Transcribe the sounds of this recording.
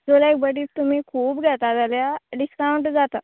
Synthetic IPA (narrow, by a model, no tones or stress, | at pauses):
d͡zolaek̚bəʈiːpt̪um̤iːkʰuːbɡʱɛt̪ad͡zaljaɖiskawɳʈd͡zat̪a